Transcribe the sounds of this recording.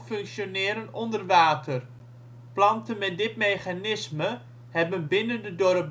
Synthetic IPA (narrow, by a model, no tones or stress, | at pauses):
fɵŋksjonɪːɾənɔndərʋaːtʰər | plɑntənmɛt̚dɪtmejχanɪsmə | hɛbənbɪnəndədɔrəp